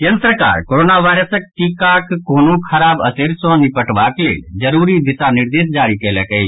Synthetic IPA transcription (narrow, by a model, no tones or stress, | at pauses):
kənsəɾka̰ːɾkoːɾoːnaʋaːɪɾəsək̚ʈikakkoːnũkʰɐɾaːbəseɾsɔ̃nipəʈʋaklḛːd͡ʒəɾuːɾid̪ɪsanɪɾd̪eːsd͡ʒaːɾikelɛkəi